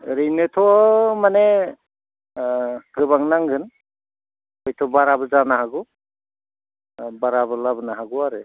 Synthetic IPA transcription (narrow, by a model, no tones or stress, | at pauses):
ɾɯjnɯtʰɔmane | ɡɯbaŋnaŋɡɯn | ɔjtʰɔbaɾabɯzanaɦaɡu | baɾabɯlabɯnaɦaɡuaɾɯ